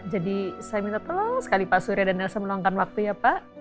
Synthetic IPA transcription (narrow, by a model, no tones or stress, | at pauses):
d͡ʒadisajamint̪at̪əloŋsə̥kalipasuɾjadanalasaməloaŋkanwak̚t̪ujapaʔ